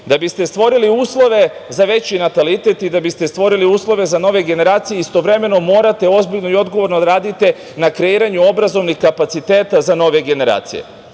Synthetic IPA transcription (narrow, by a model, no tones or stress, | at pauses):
d̪abist̪e̞st̪ʋo̞ɾiliuːslˠo̞ʋe̞zaʋe̞t͡ɕinat̪alit̪e̞t̪id̪abist̪e̞st̪ʋo̞ɾiliuːslˠo̞ʋe̞zano̞ʋeɡe̞ne̞ɾaːt̪sijeist̪o̞ʋɾe̞me̞no̞mo̞ːɾat̪e̞o̞zbiʎno̞io̞d̪ɡoʋo̞ɾnod̪aɾaːd̪it̪e | nakɾeiːɾaɲuo̞bɾazo̞ʋnixkapat̪sit̪e̞ːt̪azano̞ʋe̞ɡe̞ne̞ɾa̰ːt̪sḭje̞̰